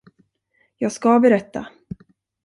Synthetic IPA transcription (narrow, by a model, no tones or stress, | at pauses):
jɑːɡskabɛɾɛt̪ːa̰